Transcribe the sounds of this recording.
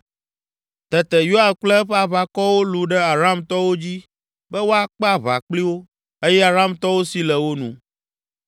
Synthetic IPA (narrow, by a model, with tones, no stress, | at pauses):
t̪ɛ˨t̪ɛ˨jo˦a˨k͡plɛ˦ɸɛ˦a˦˨βa˨kɔ˦wo˦lu˨ɖɛ˦a˨ɾa˦˨mt̪ɔ˦wo˦d͡ʑi˦ | bɛ˦wo˦a˨k͡pɛ˦a˨βa̰˨k͡pli˦wo˦ | e˦jɛ˦a˨ɾa˦mt̪ɔ˦wo˦si˦lɛ˨wo˦nũ˨